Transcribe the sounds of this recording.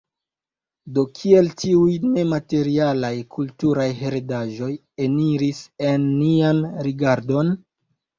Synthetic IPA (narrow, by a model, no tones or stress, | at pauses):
do̞kʰie̞ltiujne̞mate̞ɾialajkʰultuɾajɦe̞ɾedaʒo̞j | eniɾise̞nːianɾiɡaɾdo̞n